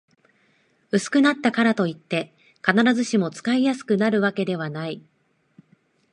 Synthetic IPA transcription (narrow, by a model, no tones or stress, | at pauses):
ɯ̟sɨ̥kɯ̟nat̪ːakaɾat̪o̞it̪ːe̞ | kanaɾazɨɕimo̞t͡sɨ̥kaijasɨ̥kɯ̟naɾɯ̟βake̞d̪e̞β̞anai